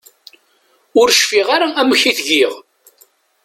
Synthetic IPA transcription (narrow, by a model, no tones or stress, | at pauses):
ʊɾʃfiʁaɾaæməçiθʝiʁ